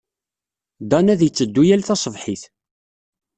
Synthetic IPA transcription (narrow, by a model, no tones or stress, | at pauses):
d̪ɑnæðjət͡sːəd̪ːujælθɑsˤəvħiθ